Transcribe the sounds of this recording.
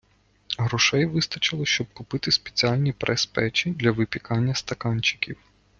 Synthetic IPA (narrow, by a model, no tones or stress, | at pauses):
ɦɾɔʃɛjʋɪst̪ɐt͡ʃɪlˠɔʃt͡ʃɔb̚kʊpɪt̪ɪspe̥t͡sʲiɑlʲnʲipɾʔɛspɛt͡ʃid̪lʲɐʋɪpʲikɑnʲːɐst̪ɐkɑnʲt͡ʃɪ̥kʲiw